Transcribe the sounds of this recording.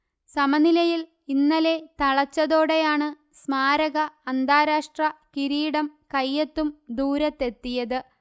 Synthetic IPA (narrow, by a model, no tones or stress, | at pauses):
sɐmɐnilɐjil | inːɐle̞t̪ɐɭɐt͡ɕːɐðo̞ːɽejaːɳɨ | smaːɾɐɣɐːnd̪aːɾaːʂʈrɐkiɾiːɽɐmkɐjːet̪ːumd̪uːɾɐt̪ːe̞t̪ːijɐðɨ